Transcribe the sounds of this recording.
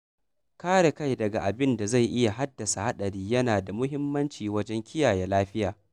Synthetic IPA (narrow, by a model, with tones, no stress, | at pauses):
kaː˦ɽe˨ka˦jdɐ˨ɡa˨ʔa˨bɪ˦nda˨za˦˨jʔɪ˦ja˨ɦa˦dːɐ˨sa˨ha˦ɗɐ˨ɽiː˦jɐ˦naː˨da˨mʊ˦ɦɪ˦mːɐ˦nt͡ʃiː˨wɐ˦d͡ʒɛ˦ŋkʲʰɪ˦jaː˨jɛ˨laː˦ɸɪ˦jaː˨